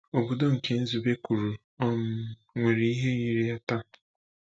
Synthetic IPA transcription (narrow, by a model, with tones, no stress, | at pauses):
o˨bo˨do˦ŋ̩˨ke˨n̩˦zu˨be˦kʷu˨ɾu˨ | ɔ˦m̩˦ | ŋʷe˨ɾi˨˦i˦ɦe˦ɲi˦ɾi˦a˦ta˦